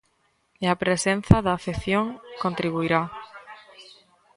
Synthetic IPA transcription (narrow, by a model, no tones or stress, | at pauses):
eapɾesẽn̟θaðaθeθjõŋkõnt̪ɾiβuiɾa